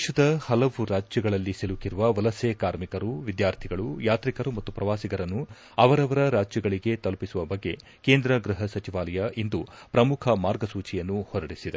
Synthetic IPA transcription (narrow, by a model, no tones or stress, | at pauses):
ʃɐd̪ɐhɐlɐʋuɾaːd͡ʒjɐɡɐɭɐlːisilukiɾuʋɐʋɐlɐseːkaːɾmikɐɾuʋid̪jaːɾt̪ʰiɡɐɭujaːt̪ɾikɐɾumɐt̪ːupɾɐʋaːsiɡɐɾɐnːu | ɐʋɐɾɐʋɐɾɐɾaːd͡ʒjɐɡɐɭiɡe̞t̪ɐlpisuʋɐbɐɡːe̞ | keːnd̪ɾɐɡɾɨɦɐsɐt͡ʃiʋaːlɐjɐʔind̪u | pɾɐmukʰɐmaːɾɡɐsuːt͡ʃijɐnːuhɔɾɐɽisid̪e